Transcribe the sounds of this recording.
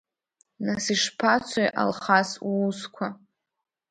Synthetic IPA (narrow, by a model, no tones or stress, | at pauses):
nasiʂpʰat͡sʷʰajʔa̰lχasːskʷʰa